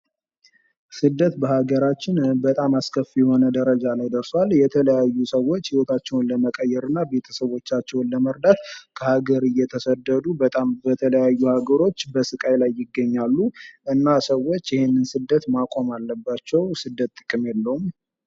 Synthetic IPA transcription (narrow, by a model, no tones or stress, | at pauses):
sɨd̪ːət̪bəhaɡəɾat͡ʃːɪnbət̪ʼamaskʰəfjɛho̞nəd̪əɾəd͡ʒalajd̪əɾswaljɛt̪ʰələjajːusəwo̞t͡ʃːhiwot̪ʰat͡ʃːɛwnləməkʼəjːɛɾɨnːabe̞t̪ʰə̥səβo̞t͡ʃːat͡ʃːɛwnləməɾd̪at̪kʰəhaɡəɾɨjɛt̪ʰəsəd̪ːəd̪ubət̪ʼambət̪ʰələjajːuhaɡəɾo̞t͡ʃːbəsɨkʼajlajːɪɡːəɲːalːuʔɨnːasəwːo̞t͡ʃːjɪhenːɨnsɨd̪ːət̪makʼo̞malːəbːat͡ʃːɛwsɨd̪ːət̪ʼːɨkʼːɨmjɛlːəhum